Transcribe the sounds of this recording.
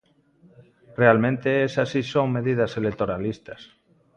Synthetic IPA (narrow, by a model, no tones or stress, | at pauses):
realmẽnt̪eesasisoŋme̞ðið̞aselekt̪oɾalist̪as